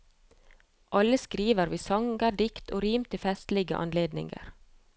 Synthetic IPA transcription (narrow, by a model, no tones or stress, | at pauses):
ʔɑləskɾiːʋəɾʋiːsɑŋɡəɖɪkt̪ʰoːɾiːmt̪əfɛst̪lɪɡə̰ʔɑ̰nleːd̪nɪ̰ŋə̰ɾ